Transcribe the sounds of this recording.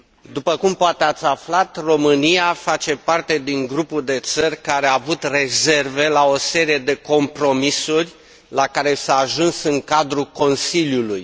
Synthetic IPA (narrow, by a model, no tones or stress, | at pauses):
d̪upəkumpoat̪eat̪sʲaflat̪ro̞mɨnijafat͡ʃe̞part̪e̞d̪iŋɡɾupuld̪e̞t̪sərʲkaɾeaːvut̪re̞ze̞rve̞lao̞se̞ɾije̞d̪e̞ko̞mpɾo̞misurʲ | lakaɾe̞saːʒunsɨŋkad̪ɾuko̞nsiljuluj